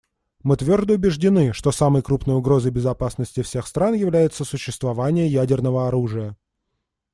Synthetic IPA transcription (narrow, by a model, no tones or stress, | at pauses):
mɨt̪vʲo̞rd̪əʊbʲɪʐdʲɪnɨʂt̪osaməjkɾupnəjʊɡɾo̞zəjbʲɪzɐpasnəsʲtʲɪfsʲe̞xst̪ɾanjɪvlʲæjɪt̪səsʊɕːɪst̪vɐvanʲɪjəjædʲɪrnəvəɐɾuʐɨjə